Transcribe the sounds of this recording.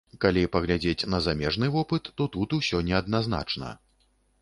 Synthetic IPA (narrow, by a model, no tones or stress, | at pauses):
kalʲipɐɣlʲad͡zʲet͡sʲnɐzamʲɛʐnɨvɔpɨt̪ːɔt̪ut̪usʲɔnʲɛɐd̪nazn̪a̰t͡ʂnɐ̰